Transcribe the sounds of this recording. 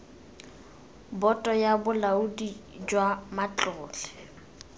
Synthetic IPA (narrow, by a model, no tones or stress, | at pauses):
bɔtʼɔjabʊlaudid͡ʒwamat͡ɬʼʊːt͡ɬɛ̥